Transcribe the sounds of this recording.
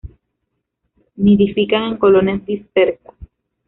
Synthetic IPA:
miðifikaŋeŋko̞lonazd̪ispeɾtḁs

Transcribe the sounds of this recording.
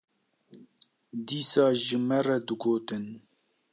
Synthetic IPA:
d̪iːsɑːʒɨmɛrɛd̪ɨɡoːt̪ɨn

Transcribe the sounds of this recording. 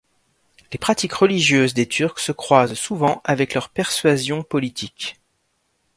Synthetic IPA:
lepχat̪ikʁəliʒjøzd̪et̪ʰyʁksəkχwazsuvɑ̃ʔavɛklœʁpɛʁsɥazjɔ̃pɔlit̪ʰik

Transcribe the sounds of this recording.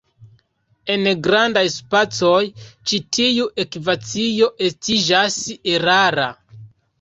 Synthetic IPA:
e̞nɡɾandajspat͡so̞jt͡ʃitʰijuʔe̞kivat͡sijo̞ʔe̞stid͡ʒaseɾaɾa

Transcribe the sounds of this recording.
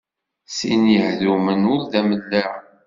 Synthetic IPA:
sinjəhðumənʊɾðæməlːəʁ

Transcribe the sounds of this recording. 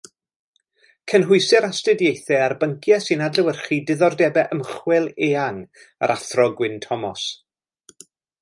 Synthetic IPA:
kʰənɦʊɨsɛɾastɨdjejθɛarbəŋkʰjasinadləwərχiːdɪðɔrdɛbɛʔəmχwɛlˠeːaŋ | a̰ɾʔaθrɔɡwɪntʰɔmɔs

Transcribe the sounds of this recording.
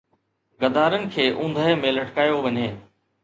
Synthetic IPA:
ɡɐd̪aːɾənɪ̆kʰeːʔũːnd̪ʱəɦemẽlɐʈʰkaːjoʋɐɲeː

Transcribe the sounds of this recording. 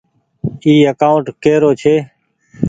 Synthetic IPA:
iːəkaːʊɳʈkeːɾoːt͡ʃʰeː

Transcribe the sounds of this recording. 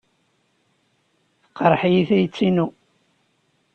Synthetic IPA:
θəqɑɾˤħijiθæjət͡sːinu

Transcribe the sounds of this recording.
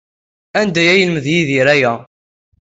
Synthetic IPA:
ænd̪æjæjəlməðjiðiɾæjæ

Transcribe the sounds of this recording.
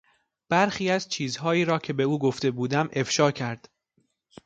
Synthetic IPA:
b̥æɾxiːæzt͡ʃʰiːzɦɒːiːɾɒːcʰe̞be̞uːɡo̞ft̪e̞buːd̪æmʔe̞fʃɒːcʰæɾd̪̥

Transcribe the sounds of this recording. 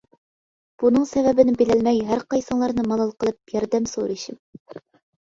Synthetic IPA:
b̥unɨŋsɛvɛbɪnɪbelælmɛjɦæɾqɑjsəŋlˠɑɾnɨmɑlˠɑlˠqəlˠɨp̚jɑɾd̪ɛmsoɾɨʃɪm

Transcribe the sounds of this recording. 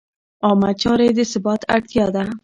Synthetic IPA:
ɑmat͡ʃɑɾed̪əsɪbɑt̪ʰa̰ɽt̪jɑd̪a

